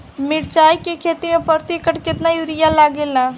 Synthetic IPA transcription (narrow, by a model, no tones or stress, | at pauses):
mɪɾt͡ʃaːikekʰeːt̪imẽpəɾt̪ɪkəʈkɪt̪najuɾɪjalaːɡelaː